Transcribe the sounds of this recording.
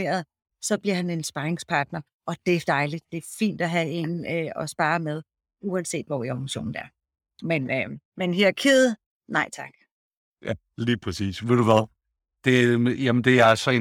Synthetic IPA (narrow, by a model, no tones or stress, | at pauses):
ḛːɐð̞̩ˠ | sɒ̽b̥liɐɦæne̝nsb̥ɑ̈ʁeŋspʰɑ̈ːd̥nɐ | ʔɒ̽d̥efd̥ɑ̈ɪli̥d̥e̝ɐfḭːnd̥æɦæenøɒ̽sb̥ɑ̈ːɐmeð̞ˠ | uɛnse̝̰ːd̥ʋɒ̰ioŋɕo̝̰ːn̩d̥æɐ | menømenɦeɐkʰið̩ˠ | nɑ̈ɪ̰t͡sʰɑ̈ɡ̥ | jæ | liːpʰʁɛsḭːsʋe̝ɾ̥uʋæðˠ | d̥e̝jæmənd̥e̝æælsɒe